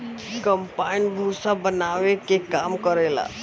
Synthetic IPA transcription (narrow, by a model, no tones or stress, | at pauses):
kəmpainbʱusabənaʋekekamkəɾela̰